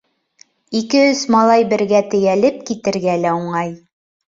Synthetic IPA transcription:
ikɘɵzmɑlˠɑjbɘ̆ɾɡæt̪ɘ̆jælɘp̚kit̪ɘ̆ɾɡælæuɴɑj

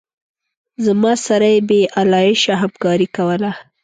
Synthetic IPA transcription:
zamɑsaɾajebeʔalɑjɪʃaɦamkɑɾikawəla

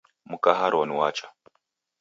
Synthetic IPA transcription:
mukaɦaɾɔniwat͡ʃa

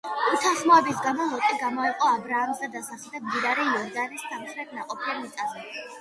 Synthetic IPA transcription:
ut̪ʰaχmɔɛbisɡamɔlˠɔt̪ʼiɡamɔɛqʼɔabɾaamzad̪asaχɛld̪ad̪iɾaɾɛɔɾd̪anist̪amχɾɛt̪̚ʰnaqʼɔpʰiamit̪sʼazɛ

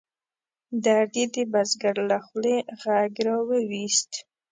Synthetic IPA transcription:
d̪aɾd̪id̪əbazɡaɾlaxleɣaɡɾawəwist̪

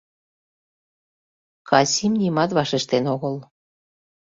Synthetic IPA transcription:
kɑsʲimnʲimɑt̪βɑʃeʃt̪enoɣəl

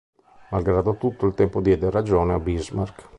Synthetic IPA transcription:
malɡɾaːd̪ot̪ut̪ːoilt̪ɛmpod̪jɛːd̪eɾad͡ʒoːneabizmark

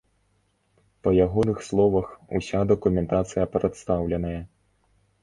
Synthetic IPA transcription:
pɐjaɣɔnɨxslˠɔvɐxṵsʲad̪ɐkumʲɛnt̪at̪sɨjɐpɾɛt̪st̪awlʲɛnɐjɐ

